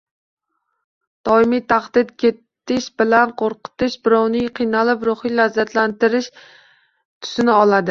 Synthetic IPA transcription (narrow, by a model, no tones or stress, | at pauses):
d̪̥ɒɪmijt̪ʰaχd̪ɪd̪̚kʲʰe̞t̪ː | ɪʃbɪlanqʰoɾqɨ̥t̪ɪʃbɪɾɒwnɪŋqʰɨjnalɪpɾoχijlazːat̪ʰlant̪ɪɾɪʃ | t̪ʰʊ̥sɪnɪɒlˠad̪ɪ